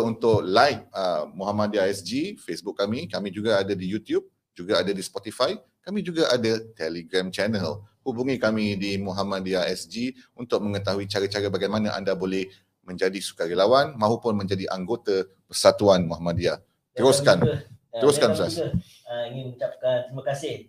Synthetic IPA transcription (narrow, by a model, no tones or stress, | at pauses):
unt̪ʊʔlajk̚əmuɦamãdiaɛsd͡ʒifesbʊk̚ːamĩkamĩd͡ʒuɡaadadijut̪jub̚ | d͡ʒuɡaadadispɔt̪ifaj | kamĩd͡ʒuɡaʔadat̪ɛleɡɾamt͡ʃɛnəlhubuŋĩkamĩdimuɦamãdiaɛsd͡ʒiunt̪ʊk̚mə̃ŋət̪aɦuit͡ʃaɾat͡ʃaɾabaɡajmãnãʔa̰ndabolɛh | mə̃ɲd͡ʒadisu̥kaɾilawanmãɦupʊnmə̃ɲd͡ʒadiʔaŋɡot̪a | pərsat̪uanmuɦamadia | t̪t̪əɾuskanəɾʊskansas | əiŋɪnut͡ʃap̚kant̪ɾimãkasɪh